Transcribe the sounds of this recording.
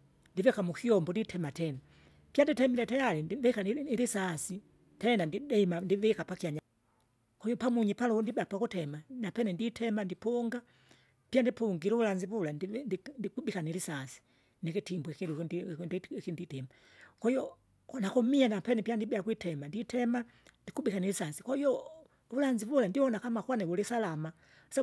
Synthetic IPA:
ndivɛkamukiɔmbɔnditʰɛmatɛna | pjanditɛmilɛtajalindivɛkaniilisasi | tɛnandiɛimandivɛkapakiaɲa | kɔhiɔpamuɲipalundibapakutɛmanapɛnɛnditʰɛmandipuŋɡa | pijandipuŋɡiluulaɲzivulanndindikubikanilisasi̥ | nikitimbuɛkilu | kinditɛma | kɔjɔ | nakumianapɛnɛpiandibɛakwitʰɛmanditʰɛma | ndikubikanilisasikaiɔ | ulaɲzivulandiwɔnakamakwanɛwulisalama | sa

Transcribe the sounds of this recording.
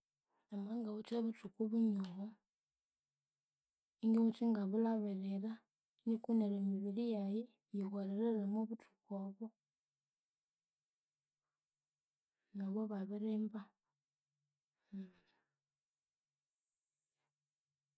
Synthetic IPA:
amaŋɡaβut͡ʃaβutukuβuɲoho | iŋɡiut͡ʃiŋɡaβulaβeɾeɾa | nikuneɾemiβiɾijaji | βjiɣwaɾeɾeɾamoβutʰu̥koβo | naβoβaβeɾemba

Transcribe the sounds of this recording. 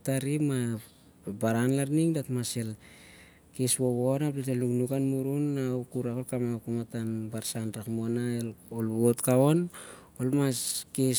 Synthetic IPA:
taɾima | baɾanlaɾniŋdatmasel | kesβo̞βonapletelnuknukanmuɾunːawkuɾakolkamakumatanbaɾsanɾakmonaelolβotkao̞n | olmaske

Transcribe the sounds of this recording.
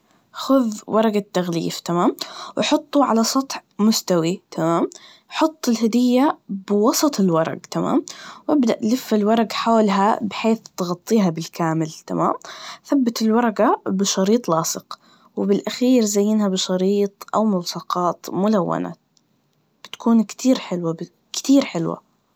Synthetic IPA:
xʊðwʔɑɾˤɑɡat̪ːaɣlḭːft̪amaːmwʔɪħʊt̪ˤːuʕa̰lasˤɑt̪ˤħmʊst̪awit̪ʰamaːm | ħʊt̪ˤːɪlhad̪ɪjːabɪwɑsˤɑt̪ˤɪlwɑɾˤɑ̰ɡt̪ama̰ːmwʔabd̪aʔlɪfːɪlwɑɾˤɑɡħoːlɦabɪħeːθt̪ɣɑt̪ˤːiːɦabɪlkaːmɪlt̪ama̰ːmθabːat̪ɪlwɑɾˤɑɡabɪʃɑɾiːt̪ˤlɑːsɨq | wɪbɪlʔaxiːɾzajːɪnhabɪʃɑɾiːt̪ˤʔa̰wmʊwsɑqɑːt̪mʊlawːa̰na̰ | b̥ɪt̪kuːnkt̪ʰiːɾħɪlwab | kt̪iːɾħɪlwa̰

